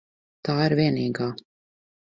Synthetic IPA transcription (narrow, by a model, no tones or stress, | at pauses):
t̪aːiɾviɛniːɡaː